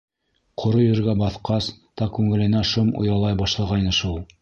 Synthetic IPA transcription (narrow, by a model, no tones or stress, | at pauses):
qʰŏɾojɵ̆ɾɡæbɑθqɑst̪ɑqkːʉŋɘ̆lɘ̆næʃomṵjɑlˠɑjbɑʃlˠɑʁɑjnɤʃulˠ